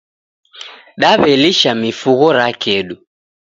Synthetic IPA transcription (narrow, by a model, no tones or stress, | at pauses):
ɗaβɛliʃamifuɣɔɾakɛɗu